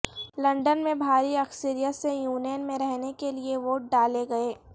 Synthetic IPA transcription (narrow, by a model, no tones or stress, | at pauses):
lɐ̃ɳɖənmẽbʱaːɾiɐksiɾijət̪sejuːnjnmẽɾɛɦnekelieʋoːʈ̚ɖaːleɡɐeː